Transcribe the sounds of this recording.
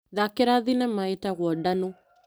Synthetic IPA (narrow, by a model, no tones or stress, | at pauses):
ðakeɾaðinɛmaetaɣwɔdano